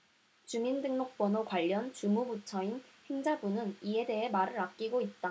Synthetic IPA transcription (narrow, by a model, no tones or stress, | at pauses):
t͡ɕumindɯŋnok̚p͈wʌnokwaʎːʌnt͡ɕumubut͡ɕʰʌinhe̞ŋd͡ʑabunɯnie̞de̞ɦe̞maɾɯɾak̚k͈iɡoit̚t͈a